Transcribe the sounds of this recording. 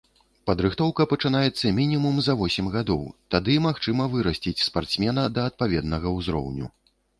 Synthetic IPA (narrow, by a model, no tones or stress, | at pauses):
pɐd̪ɾɨxt̪ɔwkɐpɐt͡ʂɨnajɛt̪sːɐmʲinʲimumzɐvɔsʲɛmɣad̪ɔwt̪ad̪ɨmaxt͡ʂɨmɐvɨɾɐsʲt͡sʲit͡sʲspart̪smʲɛnɐd̪ɐːt̪̚pavʲɛd̪nɐɣɐwzɾɔ̰wnʲṵ